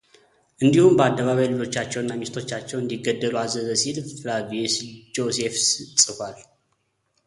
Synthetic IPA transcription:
ʔɨnd̪ihumbəad̪ːəβaβajlɨd͡ʒo̞t͡ʃːat͡ʃːɛwnːamist̪ʰo̞t͡ʃːat͡ʃːɛwɨnd̪iɡːəd̪ːəluazəzəsid̪flavisd͡ʒo̞sefssʼɨfal

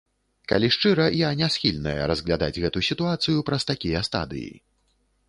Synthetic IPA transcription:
ka̰lʲiʂt͡ʂɨɾɐjanʲasxʲilʲnɐjɛ̰ɾɐzɣlʲad̪a̰d͡zʲɣɛt̪usʲit̪uat̪sɨjupɾɐst̪akʲijɐst̪a̰d̪ɨ̰jḭ

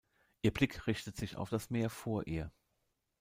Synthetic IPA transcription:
ʔiːɐb̥lɪkʁɪçtətz̥ɪça̰ʊfd̥asmeːɐfoːɐʔiːɐ

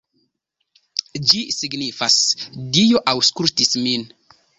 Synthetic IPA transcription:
d͡ʒisiɡnifasdijoʔawskultismin

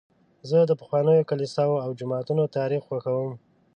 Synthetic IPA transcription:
zəd̪əpə̥xwɑnəjokalisɑwoawd͡ʒʊmɑt̪unot̪ɑɾixwaxawəm

